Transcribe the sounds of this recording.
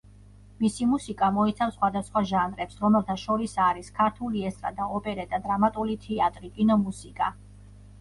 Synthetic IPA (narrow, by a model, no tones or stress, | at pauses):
misimusikʼamɔit̪sʰafsχwad̪asχwaʒanɾɛpsɾɔmɛlˠt̪ʰaʃɔɾisaɾiskʰaɾt̪ʰuliɛst̪ʼɾa̰d̪aɔpʼɛɾɛd̪ʼad̪ɾamat̪ʼulit̪ʰɛat̪ʼɾikʼinɔmusikʼa